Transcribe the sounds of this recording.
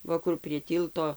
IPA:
ˈʋɐ kʊr pʲrʲiɛ ˈtʲiːlˠtoː

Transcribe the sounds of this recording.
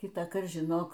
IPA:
kʲɪtɑːˈkɐrt ʒʲɪˈnoːk

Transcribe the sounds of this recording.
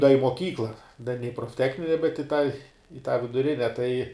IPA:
dɐ ɪ moːˈkʲiːklˠɐ dɐ nʲɛ ɪ proːfʲˈtʲæːxʲnʲɪnʲɛ bʲɛt ɪ tɑː ɪ tɑː ʋʲɪdʊˈrʲɪnʲɛ tɐɪ

